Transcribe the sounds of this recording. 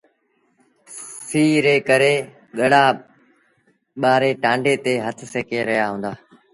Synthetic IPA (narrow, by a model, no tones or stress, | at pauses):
siːɾeːkəɾeː | ɠəɽ̤aː | ɓaːɾeːʈãːɳɖeːt̪eːɦət̪ʰseːkeːɾɐɦjaɦũːnd̪aː